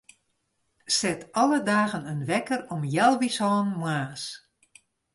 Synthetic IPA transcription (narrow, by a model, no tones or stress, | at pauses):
sɛtʰɔlˠədaːɣənənʋɛkərɔmjɛlˠʋishɔːnmwaːs